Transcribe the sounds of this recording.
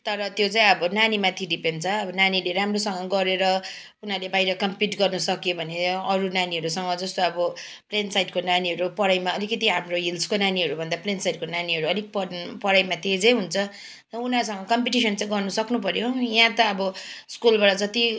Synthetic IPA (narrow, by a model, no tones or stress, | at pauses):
t̪ʌɾʌt̪jot͡sãĩʌbʌnanimat̪ʰiɖipent͡sʰʌːbʌnanileɾamrosʌŋʌɡʌɾeɾʌ | unalebajɾʌkʌmpiʈɡʌrnʌsʌkjobʱʌneʌɾunaniɦʌɾusʌŋɡʌd͡zʌst̪oʌbʌ | plensajʈkonaniɦʌɾupʌɽajmaʌlikʌt̪iɦamroɦilskonaniɦʌɾubʱʌnd̪aplensajʈkonaniɦʌɾuʌlik̚pʌpʌɽajmat̪ed͡zʌjɦunt͡sʰʌ | t̪ʌunas̬ʌŋɡʌkʌmpiʈisʌnt͡saĩɡʌrnʌsʌknupʌɾjojãt̪ʌːbʌskulbaɽʌd͡zʌt̪i